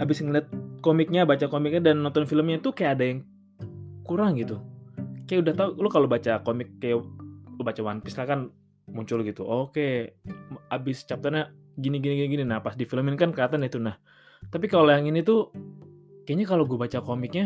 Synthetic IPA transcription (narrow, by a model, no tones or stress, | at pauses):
abɪsŋəliat̪̚komɪk̚ɲabat͡ʃakomɪk̚ɲadanːɔnt̪ɔnfiləmɲat̪ukajaːdajaŋ | kuɾaŋɡit̪ukajaudaht̪aulokalobat͡ʃakomɪkːajalobat͡ʃawanpɪslakan | muɲt͡ʃʊlɡit̪uʔoke | abɪst͡ʃap̚t̪aɲa | ɡiniɡiniɡiniɡininahpasdifiləmɪnkankəat̪andɛht̪unah | t̪ap̬ikalojaŋinit̪u | kajaɲakaloɡuabat͡ʃakomɪk̚ɲa